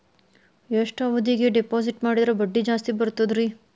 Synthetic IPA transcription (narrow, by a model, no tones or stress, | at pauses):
eʂʈaːʋɐd̪iːɡeɖepoːsiʈmaːɽid̪ɐɾebɐɖːid͡ʒaːst̪ibɐɾt̪od̪ɾi